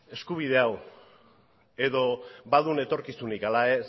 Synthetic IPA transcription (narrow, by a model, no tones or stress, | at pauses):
e̞skuβ̞iðe̞aw | e̞ðo̞baðune̞t̪o̞ɾkisunikalaes